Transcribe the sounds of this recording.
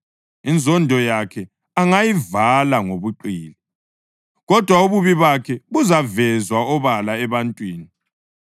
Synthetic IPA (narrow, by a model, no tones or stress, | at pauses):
ind͡zʱɔndʱɔjakʰɛ | aŋajivalaŋoβuǃiːlɛ | ɣɔd̥ʱwauβuβiβakʰɛɣuzavɛzwaɔβalaɛβantʼwiːni